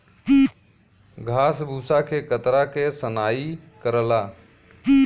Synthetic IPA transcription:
ɡʱaːsbʱusakʰekət̪ɾakesənaːi | kəɾəla

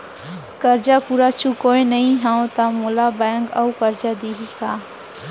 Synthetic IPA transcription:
kəɾd͡ʒapuːɾat͡ʃʰukoenəɦĩɦãõt̪amolabɛŋkəukəɾd͡ʒad̪iɦika

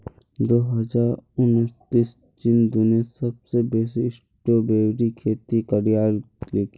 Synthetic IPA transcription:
d̪oːɦəd͡ʒaːɾʊnəɾt̪iːs | d͡ʒɪnd̪unesɐbsebeːsɪɪs | ʈobeːwɾikʰeːt̪ikəɽijaːɾ | leːki

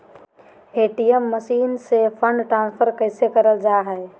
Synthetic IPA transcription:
eːʈijəmːəsiːnsepʰə̃ɳɖʈɾãnpʰəɾkəɪsekəɾəld͡ʒaɦɛe

